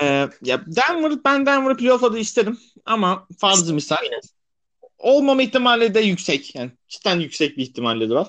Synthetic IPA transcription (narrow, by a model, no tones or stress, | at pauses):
ɛːjad̪ænvɯɾɯbænd̪ænvɯɾpʰlʲofad̪ɯiʃt̪ʰed̪im | amafaɾzˠɯmisainɛ | o̞lˠmamaiçt̪ʰimaːlʲɛd̪ɛjycsɛcjaːnicʰi̥t̪ʰænjycʲsɛc̚biːçt̪ʰimaːlʲid̪ɯɾaɾ